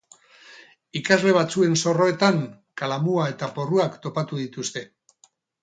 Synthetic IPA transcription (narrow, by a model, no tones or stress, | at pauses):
ikazle̞β̞at͡sue̞nso̞ro̞e̞t̪aŋ | kalamuae̞t̪apo̞ruakt̪o̞pat̪uð̞it̪ust̪e̞